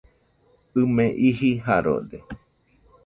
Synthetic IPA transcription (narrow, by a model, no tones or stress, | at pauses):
ɨmẽʔiɦiɦaɾo̰d̪e